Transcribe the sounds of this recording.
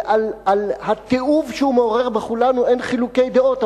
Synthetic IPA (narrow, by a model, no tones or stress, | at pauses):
ʔalalhat̪eʔuvʃeume̞o̞ʁe̞ʁbeχulanue̞nχiluke̞jd̪eo̞t̪